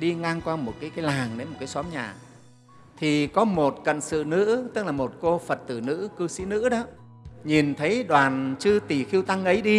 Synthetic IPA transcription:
ɗi˧ŋaː˧ŋkwaː˧mo˨˩t̚kaː˨˦jkaː˨˦jlaː˨˩ŋɗe˨˦mo˨˩kaː˨˦jsɔ˨˦mɲaː˨˩ | t̪ʰi˨˩kɔ˨˦mo˨˩t̚kə̰˧˨nsɨ̰˧˨nɨ̰˧˥t̪ɨ˦˥k̚laː˨˩mo˨˩t̚ko˧fə˨˩t̚t̪ɨ˧˩nɨ̰˧˥kɨ˧sḭ˧˥nɨ̰˧˥ɗɔ˨˦ | ɲi˨˩nt̪ʰə˨˦jɗwaː˨˩nt͡ɕɨ˧t̪i˨˩xi˧əwt̪a˧ŋʔə˨˦jɗi˧

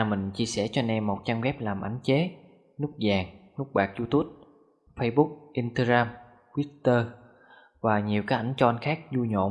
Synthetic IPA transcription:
a˨˩mï˨˩ŋ̟t͡ɕi˧əsɛ˧˩t͡ɕɔ˧nɛ˧mːo˨˩t̚t͡ɕa˧mɣɛ˦˥p̚laː˨˩mʔa˨˩˦jŋ̟t͡ɕe˨˦ | nʊ˦˥k̚zaː˨˩ŋnʊ˦˥k̚ɓaː˨˩k̚zu˧t̪u˦˥əp̚ | fə˧jɓʊ˦˥k̚ʔi˧nt̪aː˧ɣaː˧m | kwi˦˥t̚t̪əː˧ | vaː˨˩ɲi˨˩əwkaː˦˥k̚ʔa˧˩jŋ̟t͡ɕɔ˧ʔa˧n̟xaː˦˥k̚zu˧ɲo̰˧˨

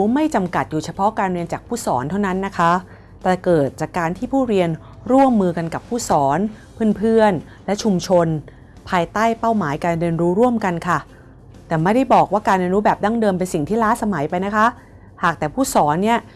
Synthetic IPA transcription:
u˦˥ma˥˩jt͡ɕa˧mka˨˩t̪̚juː˨˩t͡ɕʰa˧pʰɔ˦˥ʔkaː˧nɾi˧ənt͡ɕaː˨˩k̚pʰuː˥˩sɔː˩˦nt̪ʰa˥˩wna˦˥nːa˦˥kʰa˦˥ | t̪ɛː˨˩kɤː˨˩t̪̚t͡ɕaː˨˩kːaː˧nt̪ʰiː˥˩pʰuː˥˩ɾi˧ən | ɾu˥˩əmːɯː˧ka˧nka˨˩pʰːuː˥˩sɔː˩˦n | pʰɯ˥˩npʰɯ˥˩ən | lɛ˦˥ʔt͡ɕʰu˧mt͡ɕʰo˧n | pʰaː˧jt̪aː˥˩jpa˥˩wmaː˩˦jkaː˧ndɯː˧ənɾuː˦˥ɾu˥˩əmka˧nkʰa˥˩ | t̪ɛː˨˩ma˥˩jda˥˩jbɔː˨˩k̚waː˥˩kaː˧ndɯ˧nɾuː˦˥bɛː˨˩p̚da˥˩ŋdɤː˧mpe˧nsi˨˩ŋt̪ʰiː˥˩laː˦˥sa˧ma˩˦jpa˧jna˦˥kʰa˦˥ʔ | haː˨˩k̚t̪ɛː˨˩pʰuː˥˩sɔː˩˦nːi˥˩ɐ

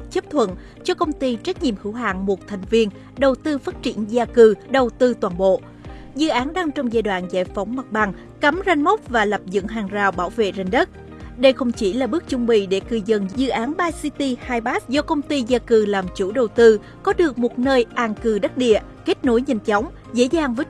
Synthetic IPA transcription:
t͡ɕə˦˥p̚t̪ʰwə̰˧˨n | t͡ɕɔ˧kə˧wŋ͡mt̪i˧t͡ɕa˦˥k̟̚ɲḭ˧˨əmhɨ˧˥wɦa̰ː˧˨ŋmo˨˩t̚t̪ʰɛ˨˩jŋ̟vi˧ən | ɗə˨˩wt̪ɨ˧faː˦˥t̚t͡ɕi˧˩ənzaː˧kɨ˨˩ɗə˨˩wt̪ɨ˧t̪waː˨˩nɓo̰˧˨ | zɨ̰˧˨ʔaː˨˦nɗa˧ŋt͡ɕɔ˧wŋ͡mzaː˧jɗwa̰ː˧˨nza̰ː˧˩jfɔ˨˦wŋ͡mma˨˩t̚ɓa˨˩ŋ | ka˨˦mza˧jŋ̟mə˦˥k͡p̚vaː˨˩la˨˩p̚zɨ̰˧˥ŋɦaː˨˩ŋzaː˨˩wɓaː˧˩wvḛ˧˨za˨˧˩jŋ̟ɗə˦˥t̚ | ɗə˧jxə˧wŋ͡mt͡ɕi˧˩laː˨˩ɓɨ˦˥ək̚t͡ɕʊ˧ŋ͡mɓḭ˧˨ɗe˧˩kɨ˨˩zə˨˩nzzɨ̰˧˨ʔaː˨˦nɓaː˧si˧t̪i˧haː˧jɓaː˦˥t̚zɔ˧kə˧wŋ͡mt̪i˧zaː˧kɨ˨˩laː˨˩mt͡ɕu˧˩ɗə˨˩wt̪ɨ˧ | kɔ˨˦ɗɨ˨˩ək̚mo˨˩t̚nəː˧jʔaː˧˩ŋkɨ˨˩ɗə˦˥t̚ɗḭ˧˨ə | ke˦˥t̚no˨˦jɲɛ˧˩jŋ̟t͡ɕɔ˨˦wŋ͡m | zḛ˧˥zaː˨˩ŋvəː˨˦j

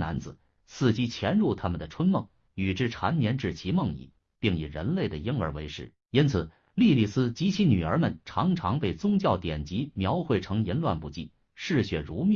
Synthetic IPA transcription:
na̰˧˥nd͡zɹ̩˧˦ | sɹ̩˥˩t͡ɕi˥t͡ɕʰjɛ˧˥nɻu˥˩t̪ʰa˥mə˨nd̪ə˩ʈ͡ʂʰwə˥nmɤ˥˩ŋ | y˨˩ʈ͡ʂɻ̩˥˩ʈ͡ʂʰa˧˥nmjɛ˧˥nʈ͡ʂɻ̩˥˩t͡ɕʰi˧˥mɤ˥˧ŋḭ˥˩˦ | pi˥˩ŋi˨˩ɻə̰˧˥nle˥˩ɪd̪ə̰˩ji˥ŋə̰˞˧˥we˧˥ɪʂɻ̩˥˩ | i˥nt͡sʰɹ̩˨˩ | li˥˧li˥˩sɹ̩˥t͡ɕi˧˥t͡ɕʰi˧˥ny˨˩ə˞˧˥mə˨nʈ͡ʂʰɑ˧˥ŋʈ͡ʂʰɑ˧˥ŋpe˥˩ɪt͡sʊ˥ŋt͡ɕjɑ˥˩ʊt̪jɛ˨˩nt͡ɕi˧˥mjɑ˧˥ʊxwe˥˩ɪʈ͡ʂʰɤ˧˥ŋjə˧˥nlwa̰˥˧˩npu˧˥˩t͡ɕi˥˩ | ʂɻ̩˥˩ɕɥɛ˨˩ɻu˧˥m˥˩

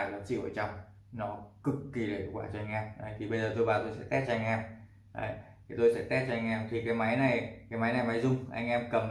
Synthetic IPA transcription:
laː˨˩t͡ɕḭ˧˨wʔəː˧˩t͡ɕa˧wŋ͡m | nɔ˨˦kɨ˨˩kːi˨˩lḛ˨˩˨kwaː˧˩t͡ɕɔ˧a˧jŋ̟ʔɛː˧mʔa˨˧˩jt̪ʰi˨˩ɓə˧jzəː˨˩t̪o˧jvaː˨˩t̪o˧jsɛ̰˧˥t̪ɛ˦˥t̚t͡ɕɔ˧a˧ŋ̟ʔɛː˧m | a̰˨˧˩j | t̪ʰi˨˩t̪o˧jsɛ̰˧˥t̪ɛ˦˥t̚t͡ɕɔ˧jŋ̟ʔɛː˧mt̪ʰi˨˩kaː˨˦jma˨˦jna˨˩jkaː˨˦jma˨˦jna˨˩jma˨˦jzʊ˧ŋ͡mʔa̰˧jŋ̟ʔɛ˧mkə˨˩m

